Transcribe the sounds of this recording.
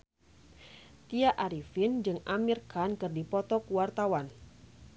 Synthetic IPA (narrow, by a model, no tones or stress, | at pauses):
t̪iaʔaɾifind͡ʒɨŋamirkankɨrdipɔt̪ɔkuwart̪awan